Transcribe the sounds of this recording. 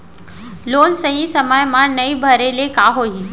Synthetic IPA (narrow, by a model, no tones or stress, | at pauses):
loːnsɐɦisɐməjmãnɐibʱɐɾelekaːɦoiː